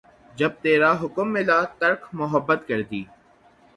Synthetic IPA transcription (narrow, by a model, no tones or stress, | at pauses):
d͡ʒɐb̚t̪eːɾaːɦʊkəmːɪlaːt̪ɐɾkʰmʊɦəbːət̪kɐɾd̪iː